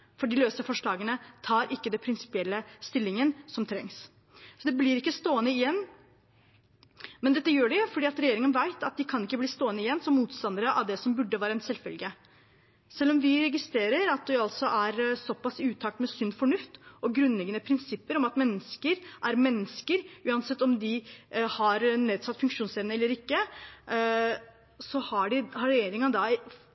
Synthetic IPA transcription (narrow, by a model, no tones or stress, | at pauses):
fɔɖɪløːsəfɔʂɭɑːɡənət̪ʰɑːɾʔɪkːəd̪ɛpʰɾɪnsɪ̥pɪɛlːəst̪ɪlːɪŋənsɔmt̪ʰɾɛŋs | sɔd̪ɛblɪɾɪkːəst̪oːənəɪjɛnː | mɛnd̪ɛt̪ːəjøːɖɛfɔɖiːɑt̪ɾɛjeːɾɪŋənʋæɪt̪ʰɑt̪̚d̪ɪkʰɑnɪkːəbliːst̪oːənəɪjɛnːsɔmːuːt̪st̪ɑnd̪əɾəʔɑ̰ʋd̪ɛsɔmbʉɖːəʋæːɾəɛnsɛlfɛ̰lɡə | sɛlːɔmʋɪɾɛɡɪst̪ɾeːɾəɾɑt̪̚d̪ɛɑlt̪sɔʔæɾsɔpːɑsʉːt̪ʰɑːk̚t̪mɛsʏnːfɔɳʉft̪ɔɡɾʉnːlɛɡːənəpʰɾɪnsɪpːəɾɔmɑt̪mɛnːəskəɾʔæɾmɛnːəskəɾʉːɑnsɛt̪ːɔmd̪ɪhɑɾneːd̪sɑt̪ːfʉŋkʂuːnsɛʋnəɛlːəɾɪkːə | sɔhɑɖɪhɑɾɛjeːɾɪŋənd̪ɑ